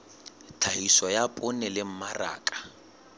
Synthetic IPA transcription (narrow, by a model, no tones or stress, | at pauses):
tʰaiswɔjapʼʊnɛlɪm̩mara̰ːkʼḁ